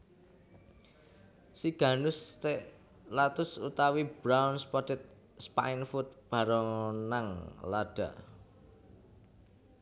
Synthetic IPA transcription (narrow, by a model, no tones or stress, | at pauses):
siɡ̥a̤nʊst̪eʔ | lat̪ʊsut̪awib̥ɾawnspɔt̪ɪt̪̚ | spa̰infut̪̚b̥a̤ɾɔnaŋlaɖ̥a̤